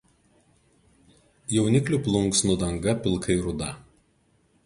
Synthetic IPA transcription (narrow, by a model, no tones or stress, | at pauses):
jɛʊnʲɪklʲuˑplˠʊŋˑksnʊd̪ɐŋɡɐpʲɪlˠkʰɐɪɾʊd̪ɐ